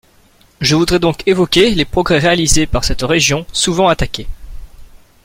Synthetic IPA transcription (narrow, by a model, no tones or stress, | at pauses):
ʒəvud̪ʁɛd̪ɔ̃kevɔkʲelepχɔɡʁɛʁealizepaʁsɛt̪ʁeʒjɔ̃suvɑ̃at̪akʲe